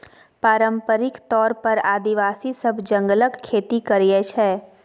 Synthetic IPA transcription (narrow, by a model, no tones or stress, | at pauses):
paːɾə̃mpəɾɪkt̪ɔːɾpɐɾaːd̪iʋaːsisɐbd͡ʒə̃ŋɡləkkʰːeːt̪ikɐɾijet͡ʃʰɛː